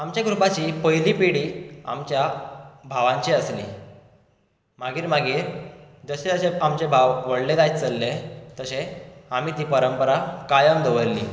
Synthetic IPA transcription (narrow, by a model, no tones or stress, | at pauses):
amt͡ɕjaɡɾupat͡ɕiːpəjliːpiɽiːa̰mt͡ɕjabʱaʋãɲt͡ɕiəslḭː | maɡiːɾmaɡiːɾd͡zəɕeəseamt͡ɕebʱaʋʋəɽled̪ajt͡səlːet̪əseamiːt̪iːpəɾəmpəɾakajəmd̪əʋəɾːḭː